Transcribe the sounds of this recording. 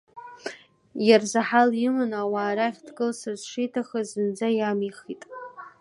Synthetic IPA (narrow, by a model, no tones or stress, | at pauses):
jarzaħalɪmɨnawaːɾaχʲdʰɡɨlsɨrzʂijtʰaχazɨnd͡zajamiχitʼ